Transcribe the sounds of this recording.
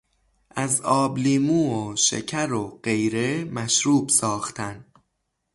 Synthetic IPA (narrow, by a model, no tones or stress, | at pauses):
ʔæzɒːbliːmuːoʃḛcʰæɾoɢe̞jɾemæʃɾuːbsɒːxt̪ʰæn